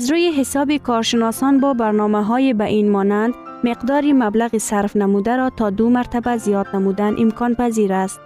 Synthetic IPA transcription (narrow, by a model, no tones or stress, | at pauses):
azɾujiɦɪsɒbikʰɔɾʃɪnɔsɒnbɒbaɾnɔmaɦɔjibaʔinmɒnand̪ | mɪqd̪ɒːɾimablaɣisaɾfnamud̪aɾɒt̪ʰɒd̪ʊmaɾt̪abazijɒd̪namud̪anʔɪmkʰɒnpaziɾast̪